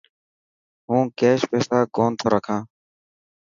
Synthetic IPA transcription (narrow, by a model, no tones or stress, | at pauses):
ɦũːkeːʃpeːsaːkoːnt̪ʰoːɾəkʰãː